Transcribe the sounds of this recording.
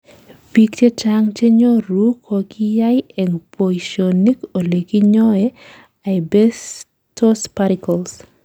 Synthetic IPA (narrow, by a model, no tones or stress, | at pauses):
bikt͡ʃet͡ʃaŋt͡ʃeɲoɾukʰokijajɛŋpoiʃionikolekiɲɔe | ajbɛs | tʰospaɾikɔls